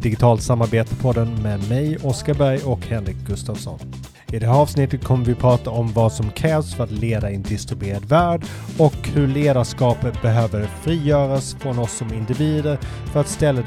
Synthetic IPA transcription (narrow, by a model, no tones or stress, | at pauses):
d̪̥ɪɡɪt̪ʰɑːlt̪samːaɾbeːt̪əpʰɔd̪ɛnmɛmɛjɔskabæɾjɔkhɛnɾɪk̚ɡɵst̪ɑvsɔ̰n | ɪd̪ɛhæːɾɑːvsnɪt̪ːət̪̚kʰɔmːəɾvɪpʰɾɑːt̪aɔmvɑːd̪sɔmkʰɾɛːvsfœɾat̪leːd̪aɪnd̪ɪst̪ɾɪbeːɾad̪væːɖ | ɔkhɵɭeːd̪aʂkɑːpət̪̚bɛɦøːvəɾfɾiːjœːɾasfɾɔnɔsːɔmɪnd̪ɪviːd̪əɾ | fœɾat̪st̪ɛlːə